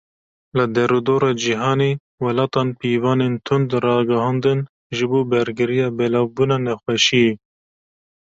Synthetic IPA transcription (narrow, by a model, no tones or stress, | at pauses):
lɨd̪ɛɾud̪oːɾɑːd͡ʒiɦɑːneː | wɛlɑːt̪ɑːnpiːvɑːneːnt̪ʰʊnd̪ɾɑːɡɐhɑːnd̪ɨn | ʒɨboːbɛɾɡɨɾijɑːbɛlɑːvbuːnɑːnɛxwɛʃie